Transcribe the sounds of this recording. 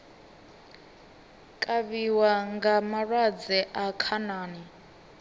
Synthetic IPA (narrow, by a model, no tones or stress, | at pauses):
kʼaβiwaŋɡamarad͡zɛʔakʰanaːni